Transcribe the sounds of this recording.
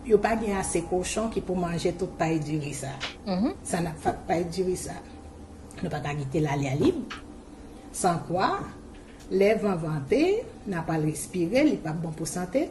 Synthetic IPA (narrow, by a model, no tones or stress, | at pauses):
jopaɡɛ̃asekoʃɔ̃kipumɑ̃ʒet̪ut̪̚pajdyʁisa | sanapfat̪̚pajdyʁisa | nupakaɡit̪elalealib | sãkwa | lɛvãvɑ̃t̪enapalɛspiʁelipabɔ̃pusɑ̃t̪e